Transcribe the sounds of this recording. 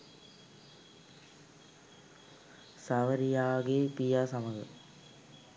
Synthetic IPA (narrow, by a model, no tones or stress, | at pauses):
sɐʋəɾijaːɡeːpijaːsɐməɡə̰